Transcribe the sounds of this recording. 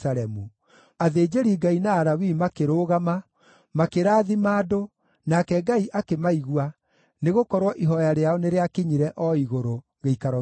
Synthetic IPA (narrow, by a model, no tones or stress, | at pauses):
aɾɛmu | aðeːd͡ʒeɾiːɡainaːɾawimakeɾoːɣama | makeɾaːðimaːdo | nakɛɡaiʔakemaiɣwa | neɣokɔɾwɔʔiɦɔjaɾeaɔneɾeakiɲiɾɛʔɔiɣoɾo | ɣeikaɾɔ